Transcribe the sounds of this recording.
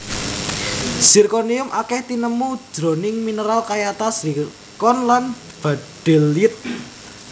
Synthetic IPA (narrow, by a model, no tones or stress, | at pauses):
sirkoniʊmʔakɛht̪inəmud̥d͡ʒ̥ɾo̤nɪŋminəɾalkajat̪asɾi | kɔnlan | b̥a̤d̥ɛ̤lːit̪̚